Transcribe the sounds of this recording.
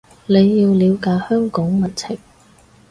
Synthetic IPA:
ne˨˧jːiː˧wliː˨˧wkaː˧jhœː˥ŋkɔː˨˥ŋmɐ˨˩nt͡sʰɪ˨˩ŋ

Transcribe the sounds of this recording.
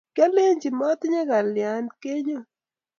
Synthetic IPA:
kja˦le˦ɲd͡ʒi˨mɔ˦t̪ɲa˦ɡa˨lja˨nke˦ɲo˦

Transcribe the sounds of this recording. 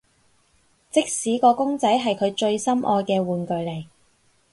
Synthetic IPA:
t͡sɪ˥k̚siː˨˥kɔː˧kʊ˥ŋt͡sɐ˨˥jɦɐ˨jkʰɵ˨˧ɥt͡ʃɵ˧ɥsɐ˥mʔɔ̰ː˧jkɛː˧wuː˨nkɵ˨˧ɥle˨˩j

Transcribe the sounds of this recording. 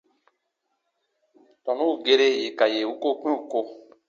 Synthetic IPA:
tɔ̃˨nũ˦˨ɡe˦ɾe˦je˨ka˨je˨u˦ko˦kʷĩ˦u˨ko˧

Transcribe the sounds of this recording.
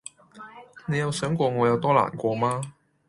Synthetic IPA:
ne˨˧jɐ˨˧wsœː˨˥ŋkʷɔː˧ŋɔː˨˧jɐ˨˧wt̪ɔː˥la̰ː˨˩nkʷɔː˧maː˥

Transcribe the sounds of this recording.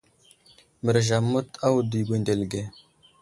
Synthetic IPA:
mə˨ɾʒa˨mːu˦ta˦wu˨di˨ɡʷe˨nde˨lɡe˨

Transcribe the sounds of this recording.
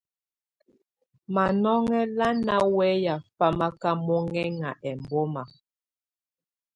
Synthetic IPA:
ma˨nɔ˦ŋɛ˦la˦na˦wɛ˦ja˨fa˦ma˦ka˦mɔ˦ŋɛ˦ŋa˨ʔɛ˨mbɔ˦ma˨

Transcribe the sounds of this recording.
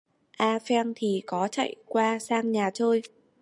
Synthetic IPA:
ʔaː˧fɛ˧ŋt̪ʰi˨˩kɔ˨˦t͡ɕa̰˧˨jkwaː˧saː˧ŋɲaː˨˩t͡ɕəː˧j

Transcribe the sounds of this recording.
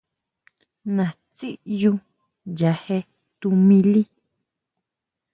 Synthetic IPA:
nã˨ | t͡si˦ʔjũ˧ | ja˧he˧ | t̪u˧mĩ˧li˦

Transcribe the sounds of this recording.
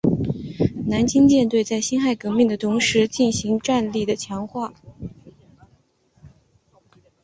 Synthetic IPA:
na˧˥nt͡ɕi˥ŋt͡ɕjɛ˥˧nt̪we˥˧ɪt͡sa˥˩ɪɕi˥nxa˥˩ɪkɤ˧˥mi˥˩ŋd̪ə˩t̪ʰʊ˧˥ŋʂɻ̩˧˥t͡ɕi˥˩nɕi˧˥ŋʈ͡ʂa˥˧nli˥˩d̪ə˩t͡ɕʰjɑ˧˥ŋxwa˥˩

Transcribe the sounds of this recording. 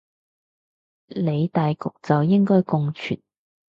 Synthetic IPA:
le˨˧jt̪aː˨jkʊ˨k̚t͡sɐ˨wjɪ˥ŋkɔː˥jkʊ˧ŋt͡ʃʰy̰˨˩t̪̚

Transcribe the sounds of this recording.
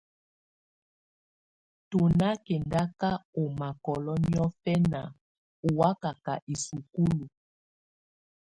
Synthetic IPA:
to˨na˦kɛ˨nda˦ka˦o˨ma˨kɔ˨lɔ˦ni˦ɔ˦fɛ˦na˨ | o˨wa˦ka˨ka̰˨ʔi˨su˨ku˦lu˨

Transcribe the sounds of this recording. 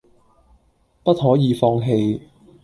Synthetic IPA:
pɐ˥t̚ɦɔː˨˥jiː˨˧fɔː˧ŋɦe˧j

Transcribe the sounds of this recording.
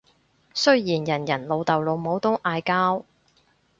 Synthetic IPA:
sɵ˥ɥjiː˨˩njɐ˨˩njɐ˨˩nlo˨˧wt̪ɐ˨wlo˨˧wmo˨˥wt̪ʊ˥ŋʔaː˧jkaː˥w

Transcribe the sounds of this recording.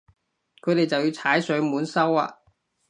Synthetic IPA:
kʰɵ˨˧ɥt̪e˨jt͡sɐ˨wji˧wt͡sʰaː˨˥jsɵ˨˧˥ɥmuː˨˥nsɐ˥wa̰ː˧

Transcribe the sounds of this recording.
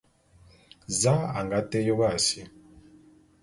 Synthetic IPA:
zã˦a˨ŋɡa˦te˦jo˦βa˦˨si˨

